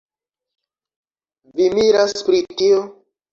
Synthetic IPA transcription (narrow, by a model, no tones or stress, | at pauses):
vimiɾaspɾitio